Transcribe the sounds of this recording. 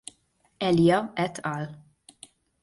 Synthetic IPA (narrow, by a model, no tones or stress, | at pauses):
ɛljɐɛt̪ʰːɐl